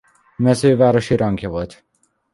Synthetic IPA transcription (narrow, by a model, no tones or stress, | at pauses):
mɛzøːvaːɾo̞ʃiɾɒŋɡjɒvot̪ʲ